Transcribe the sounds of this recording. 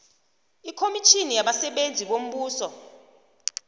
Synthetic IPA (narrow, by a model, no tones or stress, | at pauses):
ikʰomit͡ʃʰinijaɓasɛɓend͡zʱiɓom̩ɓuːsɔ